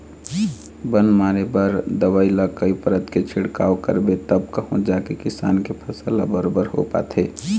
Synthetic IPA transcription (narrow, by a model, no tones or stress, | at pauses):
bənmaːɾebəɾd̪əwaːilakəipəɾət̪ket͡ʃʰɪɽkaːokə̰ɾbet̪əbkəɦõd͡ʒaːkekɪsa̰ːnkepʰəsəla̰bəɾoːbəɾɦo̰pa̰ːt̪ʰɦeː